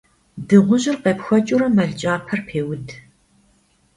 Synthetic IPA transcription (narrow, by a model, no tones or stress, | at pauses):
dɨʁʷʊʑɪrqeːpxʷɐt͡ʃʼʊɾɐmɐɮt͡ʃʼaːpʰɐrpʰeːwʊd